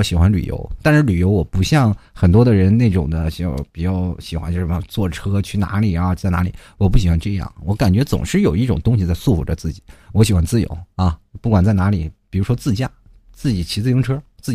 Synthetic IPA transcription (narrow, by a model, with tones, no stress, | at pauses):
ɕi˨˩xwa˧˥nly̰˨˩jo̰˧˥ʊt̪a˥˧nʂɻ̩˥˩ly˨˩jo˧˥ʊwɔ˨˩pu˧˥ɕjɑ˥˩ŋxə˨˩nt̪wɔ˥d̪ə˨ɻə˧˥nne˥˩ɪʈ͡ʂʊ̰˨˩ŋd̪ə˦ɕɑ˥˧pi˨˩t͡ɕjɑ˥˩ʊɕi˨˩xwa̰˧˥nt͡ɕo˥˧˩ʂmə˧t͡swɔ˥˩ʈ͡ʂʰɤ˥t͡ɕʰy˥˩na̰˧˥li˨˩ɻa˧˥xo˥˧t͡sa˥˩ɪna˧˥lḭ˨˦wɔ˨˩p̬u˥˩ɕ̬i˨˩xwa˧˥nʈ͡ʂɤ˥˧jɑ̰˥˩ŋwɔ˧˥ka˨˩nt͡ɕɥɛ˧˥t͡sʊ̰˨˩ŋʂɻ̩˥˩jo˨˩ʊi˥˩ʈ͡ʂʊ˨˩ŋt̪ʊ˥ŋɕ̬i˧t͡sa˥˧ɪsu˥˩fu˨˩ʈ͡ʂə̰˧t͡sɹ̩˥˩t͡ɕi̥˨˩˦wɔ˧˥ɕi˨˩xwa˧˥nt͡sɹ̩˥˩jo̰˧˥ʊɐ˥˧pu˥˩kwa˨˩nt͡sa˥˩ɪna˧˥li˨˩˦pi˨˩ɻu˧˥ʂwɔ˥t͡sɹ̩˥˧t͡ɕja˥˩ | t͡sɹ̩˥˩t͡ɕi˨˩t͡ɕʰi˧˥t͡sɹ̩˥˧jo˧˥ʈ͡ʂʰɤ˥t͡sɹ̩˥˩˨